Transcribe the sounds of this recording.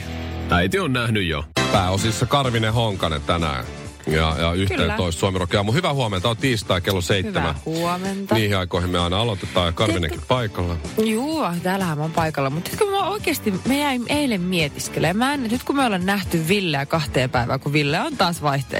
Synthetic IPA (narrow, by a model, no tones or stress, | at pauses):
æit̪ionnæhnyjjo̰pæːosisːɑkɑrʋineɦoŋkɑnḛt̪ænæ̰ | jɑ̰jɑ̰yht̪eːoist̪suɑmirokeɑːmuhyʋæhuoment̪ɑot̪iːst̪ɑikelːoseit̪ːemæ̰huoment̪ɑniːhiɑikoihimmeɑinɑɑlot̪et̪ːˑɑːjɑkɑrʋinḛŋkippɑikɑlːɑjuːɑt̪æːlːæhæmmompɑikɑlːɑmut̪nyt̪kømooikeːst̪imejæimʔeilemmiet̪iskelemæːnet̪nyt̪kummeolennæht̪yʋʋilːeækɑht̪eːpæiʋæ̰ːkuʋilːeont̪ɑːsʋɑiht̪ḛ